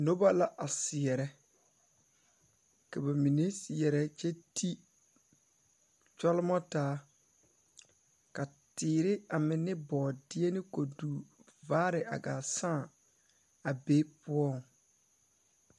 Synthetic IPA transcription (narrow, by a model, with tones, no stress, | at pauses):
no˦ba˦la˨ʔa˨sɪ˨ɛ˨ɾɛ˦ | ka˨ba˨mi˨ne˦sɪ˨ɛ˨ɾɛ˨t͡ʃɛ˦tʰi˦ | t͡ʃɔ˦lɪ˦mɔ˦taː˨˦ | ka˨tɪː˨ɾɪ˦a˨mɪ˨nɪ˦bɔː˨dɪ˦e˦nɪ˦ko˨duː˨ | vaː˦ɾɪ˨ʔa̰˨ɡaː˨sãː˦˨ | a˨be˦pʊ˦ɔ˦˨ŋ˨